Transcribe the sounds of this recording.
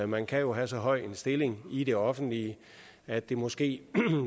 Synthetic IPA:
mænkʰæjo̝ɦæsɒ̽ɦɒ̽ɪ̰̥e̝nsd̥e̝le̝ŋiɾ̥e̝ɒ̽fn̩d̥li | æd̥e̝mɒ̽sɡ̥e̝̰ː

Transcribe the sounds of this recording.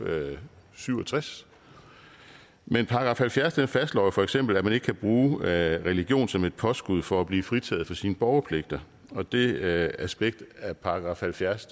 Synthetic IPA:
syʊɒt͡sʰʁas | menpʰɑ̈ːɡ̥ʁɑ̈fhælfjæɐsd̥enfæsd̥lɒ̰ːjofɒ̽eɡ̥sem̰b̥l̩æmæne̝ɡ̥kʰæb̥ʁuːʁɛliɡ̥jo̝̰ːnsɒ̽me̝d̥̚pʰɒ̽sɡ̥uð̞̰ˠfɒ̽æb̥liːfʁit͡sʰɛ̰ːð̩ˠfɒ̽siːnəb̥ɒʊɐpʰle̝ɡ̥̚d̥ɐ | ɒ̽d̥e̝æsb̥eɡ̥̚d̥æɐpʰɑ̈ɡ̥ʁɑ̈fhælfjæɐs

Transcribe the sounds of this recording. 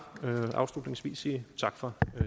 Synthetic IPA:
ʔɑ̈ʊslud̥ne̝ŋsʋḭːsiːt͡sʰɑ̈ɡ̥fɒ̽

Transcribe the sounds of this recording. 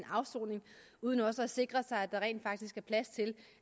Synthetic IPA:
nɑ̈ʊso̰ːne̝ŋ | uð̞ˠənɒ̽səæse̝ɡ̥ʁɐsɑ̈ɪæd̥ɑ̈ʁɛ̰ːnd̥fɑ̈ɡ̥d̥isɡ̥æɐpʰlæst͡sʰe̝l

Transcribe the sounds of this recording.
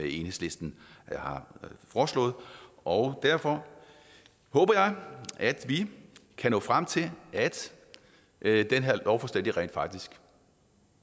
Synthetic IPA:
e̝nhe̝sle̝sd̥n̩hɑ̈fɒːslɔ̰̽ːð̩ˠɒʊd̥æɐ̰fɒ̽ | hɔ̽ːb̥ɐjɑ̈ɪæd̥ʋikʰænɔ̰ːfʁam̰t͡sʰe̝lʔæd̥ | d̥enɦeɐ̰lɒʊfɒsd̥en̰d̥iʁɛ̰nd̥fɑ̈ɡ̥̚d̥isɡ̥

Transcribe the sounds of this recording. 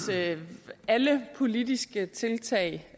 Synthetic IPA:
æləpʰo̝lid̥isɡ̥ət͡sʰe̝lt͡sʰɛ̰ɪ̰

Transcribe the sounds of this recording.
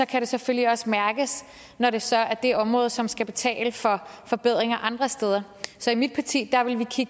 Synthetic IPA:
sɒ̽kʰæɾe̝sefølliɒ̽səmæɐɡ̥əs | nɒɾ̥e̝sɒ̽æd̥e̝æɒ̽mʁɔ̽ːð̞̩ˠsɒ̽msɡ̥æb̥e̝t͡sʰɛ̰ːləfɒ̽fɒ̽b̥e̝ð̞̰ˠʁeŋɐʔɑ̈nd̥ʁɐsd̥eð̞ˠɐ | sɒ̽imid̥̚pʰɑt͡sʰḭːd̥ɑ̈ʋe̝lʋikʰiɡ̥

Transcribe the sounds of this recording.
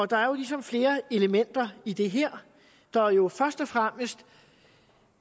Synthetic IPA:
ɒ̽d̥ɑ̈æɐjo̝lisɒ̽mfle̝ːɐe̝ləmen̰d̥ɐid̥e̝ɦeɐ̰ | d̥ɑ̈æɐjo̝fɶɐsd̥ɒ̽fʁam̰əsd̥

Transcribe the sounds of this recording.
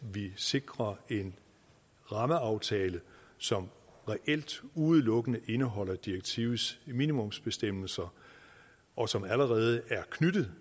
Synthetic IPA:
ʋise̝ɡ̥ʁɐe̝n | ʁɑ̈məɑ̈ʊt͡sʰɛːləsɒ̽mʁɛʔel̰d̥uð̩ˠlɔ̽ɡ̥ənəʔe̝nəɦɒ̽l̰ɐd̥ieɡ̥̚t͡sʰiʊð̩ˠsminimɔ̽msb̥e̝sd̥em̰l̩sɐ | ʔɒ̽sɒ̽mæləʁɛːð̞ˠəæɐkʰnyd̥ð̩ˠ

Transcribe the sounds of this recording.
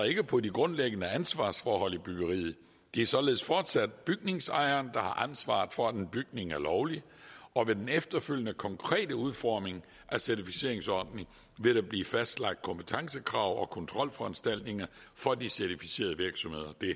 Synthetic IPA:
ɐe̝ɡ̥əpʰɒ̽diɡ̥ʁɔ̽nleɡ̥ənəænsʋɑ̰̈ːsfɒːɦɒ̽l̰ib̥yɡ̥əʁḭːð̩ˠ | d̥eæɐsɒ̽le̝ð̞̩ˠəsfɒːd̥sæd̥̚b̥yɡ̥ne̝ŋsɑ̈ɪɐːnd̥ɑ̈hɑ̈ʔænsʋɑ̰̈ːð̩ˠfɒ̽æd̥enb̥yɡ̥ne̝ŋæɐlɒʊli | ɒ̽ʋe̝d̥enefd̥ɐføl̰jənəkʰɒ̽ŋkʰʁɛ̰ːdəuðˠfɒ̰ːme̝ŋ | ʔæsæɐt͡sʰifise̝̰ɐ̰e̝ŋsɒd̥neŋ | ʋe̝ɾ̥ɑb̥lḭːfæsd̥lɑ̈ɡ̥̚d̥̚kʰɒ̽mpʰə̥t͡sʰɑ̈ŋsəkʰʁɑ̰̈ʊ̰ɒ̽kʰɔ̽nt͡sʰʁɒ̽l̰fɒ̽ænsd̥æl̰d̥ne̝ŋɐ | fɒ̽d̥isæɐt͡sʰifise̝̰ːɐðˠəʋiɐɡ̥sɒ̽mhe̝ðˠɐd̥e̝

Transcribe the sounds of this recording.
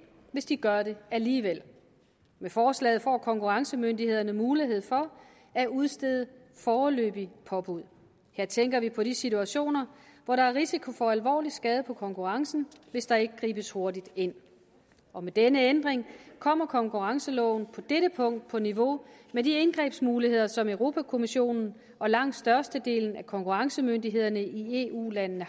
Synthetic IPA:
ʋe̝sd̥iɡ̥ɶɐɾe̝æliːʋel̰ | mefɒːslɛ̰ːɪð̩ˠfɒ̰ːkʰɒ̽ŋkʰuʁɑ̈ŋsəmøndihe̝ð̞̰ˠɐnəmuːliɦe̝ð̞̰ˠfɒ̽ | æuð̞ˠsd̥eðˠə | fɒːlø̰ːb̥ipʰɒ̽b̥uð̰ˠ | he̝ɐ̰t͡sʰeŋɡ̥ɐʋipʰɒ̽ɾisit͡sʰuæɕo̝̰ːnɐʋɒɾɑ̈æɐʁisikʰo̝fɒ̽ælʋɒ̰ːlid̥sɡ̥ɛːð̞ˠpʰɒ̽kʰɒ̽ŋkʰuʁɑ̈ŋsn̩ʋe̝sd̥ɑ̈e̝ɡ̥əɡ̥ʁḭːb̥əsho̝ɐdid̥e̝n̰ | ɒ̽med̥enəend̥ʁeŋkʰɒ̽m̰ɐkʰɒ̽ŋkʰuʁɑ̈ŋsəlɔ̰̽ʊn̩pʰɒ̽d̥eɾəpʰɔ̽ŋ̰d̥̚pʰɒ̽niʋo̝medie̝nɡ̥ʁɛ̰ːb̥smuːlihe̝ð̞̰ˠɐsɒ̽møʊʁo̝ːpʰækʰo̝miɕo̝̰ːnn̩ | ʔɒ̽lɑ̈ŋ̰d̥sd̥ɶɐsd̥əd̥e̝̰ːln̩ækʰɒ̽ŋkʰuʁɑ̈ŋsəmøndiɦe̝ð̞̰ˠɐnəʔie̝ːṵːlænnə

